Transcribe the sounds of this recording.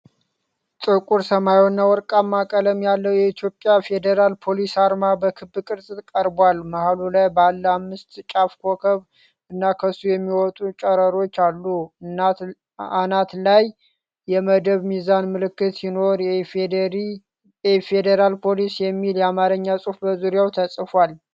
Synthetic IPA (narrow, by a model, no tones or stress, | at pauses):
sʼɨkʼuɾsəmajonːawɔɾkʼamːakʼələmjalːəwjɛit̪ʰjo̞pʼːjafe̞d̪əɾalpʰo̞lisaɾmabəkʰɨbɨkʼɨɾsʼɨt̪kʼəɾbwalmahalulajbəalːamːɨst̪t͡ʃʼafkʰokʰəβ | ɨnːakʰəsːujɛmːiwɔt̪ʼut͡ʃʼəɾəɾo̞t͡ʃːalːu | anat̪laj | jɛməd̪əβmizanmɨlɨkːɨt̪sino̞ɾ | ɛfed̪eɾalpʰo̞lisjɛmːiljɛamaɾəɲːasʼufbəzuɾjawt̪ʰəsʼfwal